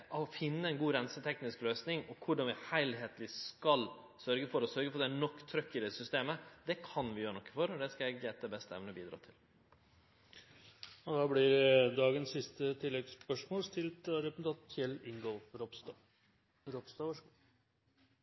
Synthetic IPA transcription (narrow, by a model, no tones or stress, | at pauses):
ɔfɪnːəɛnɡuːɾɛnsət̪ʰɛknɪskløːsnɪŋɔkʰʊɖɑnʋɪhæɪlɦeːt̪lɪskɑl | sœɾɡəfɔɾɔsœɾɡəfɔd̪ɛænɔkːt̪ʰɾœkːɪd̪ɛsʏst̪eːməd̪ɛkʰɑnʋɪjøːɾəɳɔkːəfɔɾɔd̪ɛskɑɛɡɛt̪ːəbɛst̪əɛ̰ʋnəbḭːd̪ɾɑ̰ːt̪ʰɪl | ɑd̪ɑblɪɾd̪ɑːɡənsɪst̪ət̪ʰɪlːɛɡspœʂmoːlst̪ʰɪlt̪ɑɾɛp̩̪t̪ʰɑːt̪fjɛlɪŋɡɔfɾɔpst̪ɑ | ɾɔpst̪ɑʋɑʂ